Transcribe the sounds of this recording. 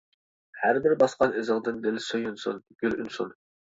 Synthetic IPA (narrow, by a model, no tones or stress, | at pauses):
hæɾbɪɾbɑsqɑnɪzɨʁd̪ɨnd̪ɪlsøjynsṵnɡ̥ʲylynsṵn